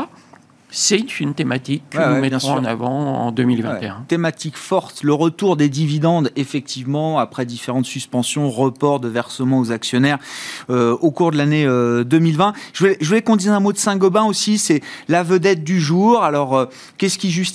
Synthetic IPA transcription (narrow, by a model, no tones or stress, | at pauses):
sɛnfynt̪emat̪ikːəɛumɛɑ̃na̰vɑ̰̃ɑ̰̃d̪əmilvɛ̃ɛt̪eɛ̃t̪emat̪ikfɔʁt̪ləʁət̪uʁd̪ed̪ivid̪ɑ̃d̪efɛk̚t̪ʰivmɑ̃apχɛd̪ifeʁɑ̃t̪syspɑ̃sjɔ̃ʁəpɔʁd̪əvɛʁsəmɑ̃ozaksjɔnɛʁøokuʁd̪əlaneød̪əmilvɛ̃ʒ̥əvulɛʒəvulɛkɔ̃d̪izɛ̃mod̪əsɛ̃ɡɔbɛ̃osisɛlavəd̪ɛt̪̚d̪yʒuʁalɔʁø | kʲɛskʲiʒyst̪